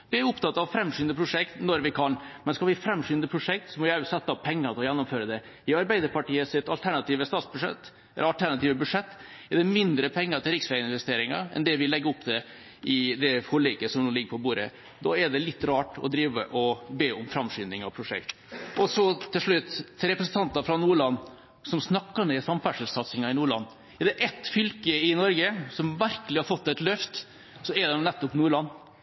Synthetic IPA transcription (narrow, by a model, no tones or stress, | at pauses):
ʋɪæɾʊpt̪ʰɑt̪ːɑʋfɾɛmʂyːnd̪əpʰɾʊʂɛkt̪nɔɾʋɪkʰɑnmɛnskɑlʋɪfɾɛmːʂyːnd̪əpʰɾʊʂɛk̚t̪sɔmɔjæːʋɪsɛt̪ːɑpʰɛŋːənt̪ɪlɔjɛnːʊmføːɾəd̪ɛ | ɪɑɾbæɪd̪əɾpɑʈiːəsɪt̪ɑlt̪ʰæɳɑt̪iːʋəst̪ɑːt̪sbʉʂɛ̰t̪ː | ɛɑlt̪ʰæɳɑt̪iːʋəbʉd̪ʂɛt̪ː | ɛɖɛmɪnd̪ɾəpʰɛŋːəɾt̪ʰɪlɾɪksʋæːɪnʋɛst̪eːɾɪŋɑɛ̰nd̪ɛʋɪlɛɡːəɔpːd̪ɛ | ʔɪd̪ɛfɔɭɪkːəsɔmnuːlɪɡːəɾpʰɔbuːɾə | d̪ɑːɛɖ̪ɛlɪt̪ːɾɑːʈɔ̰d̪ɾiːʋə̰ʔɔbeːʊmfɾɑmʂyːnɪŋɑpʰɾʊʂɛ̰kt̪ | ɔsɔt̪ʰːɪlʂɭʉt̪ːɾɛpɾəsən̩t̪ʰɑnt̪ɑfɾɑnuːɭɑnː | sɔmsnɑkːɑmɛɪsɑmfæʂəlsɑt̪sɪŋɑɪnuːɭɑ̰nː | ɛɖ̪ɛʔɛt̪ːfʏlkəɪnɔɾɡəsɔmʋæɾkəlɪhɑɾfɔt̪ːɛt̪lœft̪ | sɔɛd̪ɛnnɛt̪ːɔpnuːɭɑnː